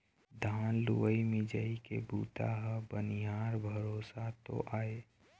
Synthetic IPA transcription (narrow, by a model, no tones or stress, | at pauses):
d̪ʱaːnluʋəimɪd͡ʒəikebuːt̪a̰ɦəbəniɦaːɾbʱəɾoːsat̪o̰ʔaːe